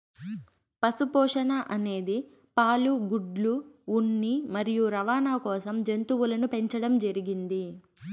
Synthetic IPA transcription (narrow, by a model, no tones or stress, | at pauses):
pɐsupɔːʂɐnɐʔɐne̞ːd̪i | paːluɡuɖluːɳːimɐɾijuɾɐʋaːnaːkɔːsɐmd͡ʒent̪uwulɐnupe̞ɲt͡ʃɐɽɐmd͡ʒɐɾiɡind̪i